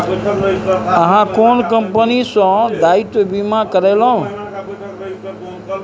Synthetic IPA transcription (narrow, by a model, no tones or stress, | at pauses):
əɦãkoɳkəmpənisɔ̃d̪ait̪obimãkəɾelõ